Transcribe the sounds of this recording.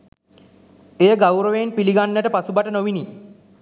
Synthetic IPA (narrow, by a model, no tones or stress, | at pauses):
eːəɡawɾəʋenpiliɡanːəʈəpasubaʈənoʋini